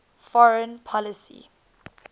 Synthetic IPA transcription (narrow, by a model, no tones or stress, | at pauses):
fɔɹə̃npʰɔlisḭ